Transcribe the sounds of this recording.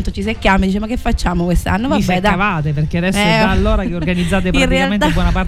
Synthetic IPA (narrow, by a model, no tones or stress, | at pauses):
nt̪ot͡ʃis̬ekːjaːmed̪it͡ʃemakːefːat͡ʃːaːmokwest̪a̰nːovabːɛd̪aavaːt̪̬eperkead̪ɛsːalːoːɾakeorɡanid̪zːaːt̪̬epɾainrealenabwɔnapaɾ